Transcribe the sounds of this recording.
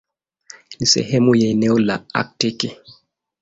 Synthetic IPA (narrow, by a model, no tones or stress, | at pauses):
nisɛ̰hɛmujaɛnɛɔla̰a̰k̚tiki